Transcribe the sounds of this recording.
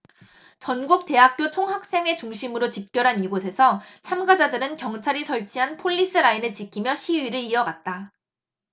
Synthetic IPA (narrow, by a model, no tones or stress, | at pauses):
t͡ɕʌnɡuk̚t͈e̞ɦak̚k͈jot͡ɕʰoŋɦak̚s͈e̞ŋe̞t͡ɕuŋɕʰimɯɾot͡ɕip̚k͈jʌɾɦaniɡosʰe̞sʰʌt͡ɕʰamɡad͡ʑadɯɾɯnkjʌŋt͡ɕʰaɾisʰʌɭt͡ɕʰiɦanpʰoʎːis͈ɯɾainɯɭt͡ɕikʰimjʌɕʰiiɾɯɭiʌɡat̚t͈a